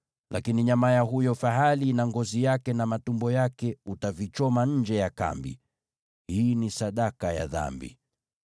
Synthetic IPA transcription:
lʔakiniɲamajaɦujɔfaɦalinaŋɡɔzijakɛnamatumbɔjakɛutavit͡ʃɔmaɲ̩d͡ʒɛjaka̰mbḭ | hiːnisaɗakaja̰ða̰mbḭ

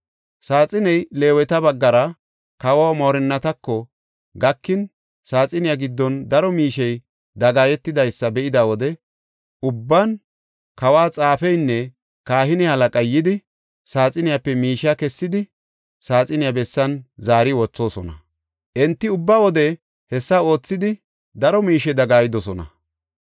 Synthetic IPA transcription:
saːt͡sʼɪnɛjle̞ːwɛt̪ɐbɐɡːɐɾɐ | kɐwamoːɾɛnːɐt̪ɐkːɔ | ɡɐkːɪn | saːt͡sʼɪnɪjɐɡɪd̪ːɔnd̪ɐɾɔmiːʃɛj | d̪ɐɡaːjɛt̪ːɪd̪ɐjsːɐbɛʔɪd̪awɔd̪ɛ | ʊbːan | kɐwaːt͡sʼaːfɛjnːɛ | kaːɦɪnɪhɐlɐkʼɐjːɪd̪ɪ | saːt͡sʼɪnɪjapːɛmiːʃakɛsːɪd̪ɪ | saːt͡sʼɪnɪjabɛsːɐnzaːɾɪwɔt͡sːo̞ːsɔnɐ | ʔɛnt̪ːɪʊbːawɔd̪ɛ | hɛsːɐo̞ːt͡sːɪd̪ɪ | d̪ɐɾɔmiːʃɛd̪ɐɡaːjɪd̪ɔsɔnɐ̰

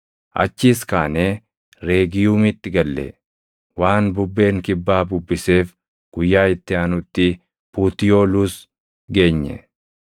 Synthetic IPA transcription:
ʔɐ̰t͡ʃːiːskaːneː | ɾe̞ːɡɪjuːmɪt̪ːɪɡɐlːɛ̰ | waːnbʊbːe̞ːŋkɪbːaːbʊbːɪse̞ːf | ɡ̥ʊjːaːɪt̪ːɪanʊt̪ːɪ | puːt̪ɪjo̞ːluːs | ɡe̞ːɲːɛ̰

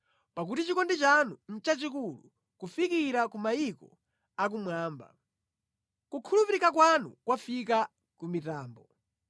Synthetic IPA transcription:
pak̬utit͡ʃikɔndit͡ʃanun̩t͡ʃat͡ʃikulu | kufikiɾakumajikɔ̰ | ak̬umwaːmba̰ | kukʰulupiɾikak̬wanukwafika | kumitaːmbɔ

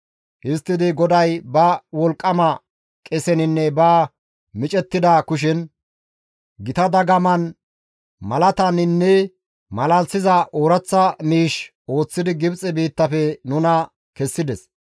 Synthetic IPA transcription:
ʔɪst̪ːɪd̪ɪɡɔd̪ɐjbɐwɔlkʼːɐmɐ | kʼɛsɛnɪnːɛbɐ | mɪt͡ʃʼɛt̪ːɪd̪ɐkʊʃ̬ɪn | ɡɪt̪ɐd̪ɐɡɐmɐn | mɐlɐt̪ɐnɪnːɛ | mɐlɐlsɪzɐʔoːɾɐt͡sːɐmiːʃ | o̞ːt͡sːɪd̪ɪɡɪbt͡sʼɛbiːt̪ːɐfɛnʊnɐ | kɛsːɪd̪ɛs

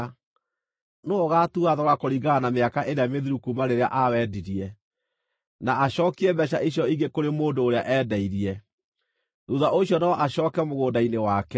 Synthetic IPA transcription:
noɔɣatuaðɔɣakoɾiɣɡaanameakaʔeɾeameðiɾukumaɾeɾea̰ʔawɛdiɾiɛ | naaɕɔːkiɛbɛɕ̬aʔiɕjɔiɣɡekoɾemoːndoːɾeaʔɛːdɛiɾiɛ | ɾuðaʔoɕjɔnaɔʔaɕɔːkɛmoɣoːndainewaːkɛ

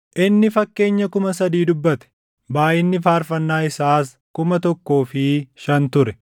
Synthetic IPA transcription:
ʔɪnːɪfɐkːe̞ːɲːɐkʊmɐsɐd̪iːd̪ʊbːɐt̪ɛ̥ | baːʔɪnːɪfaːɾfɐnːaːɪsaːs | kʊmɐt̪ɔkːo̞ːfɪʃɐnt̪ʊɾɛ

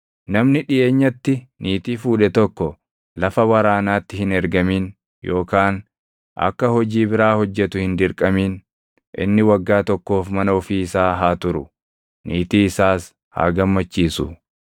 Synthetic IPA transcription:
nɐmnɪᶑɪʔe̞ːɲːɐt̪ːɪniːt̪iːfuːᶑɛt̪ɔkːɔ | lɐfɐwɐɾaːnaːt̪ːɪhɪnɛɾɡɐmiːn | jo̞ːkaːn | ʔɐ̰kːɐhɔd͡ʒiːbɪɾaːhɔd͡ʒːɛt̪ʊhɪnd̪ɪɾkʼɐmiːn | ʔɪ̰nːɪwɐɡːaːt̪ɔkːo̞ːfmɐnɐɔfiːɪsaːɦaːt̪ʊɾʊ̰ | nʔiːt̪iːɪsaːs | ha̰ːɡɐmːɐt͡ʃːiːsʊ̰

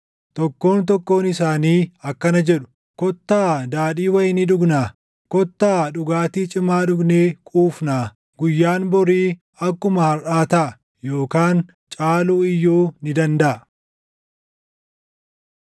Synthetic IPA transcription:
t̪ɔkːo̞ːnt̪̬ɔkːo̞ːnɪsaːniːɐkːɐnɐd͡ʒɛᶑʊ̥ | kɔt̪ːaːd̪aːᶑiːwɐjɪnɪᶑʊɡnaː | kɔt̪ːaːᶑʊɡaːt̪iːt͡ʃʼɪmaːᶑʊɡneːkʼuːfnaː | ɡʊjːaːnbɔɾiː | ɐkːʊmɐhɐɾʔaːt̪ɐʔɐ | jo̞ːkaːn | t͡ʃʼaːluːɪjːoːnɪd̪ɐnd̪ɐʔɐ

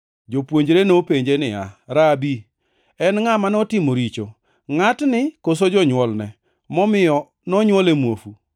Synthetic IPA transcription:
d͡ʒopwoɲd͡ʒɾenopeɲd͡ʒenɪaɾabi | ɛnŋamanɔtɪmoɾit͡ʃo | ŋatnɪkos̬od͡ʒɔɲwɔlnɛ | mɔmɪɔ | nɔɲwɔlemwofu

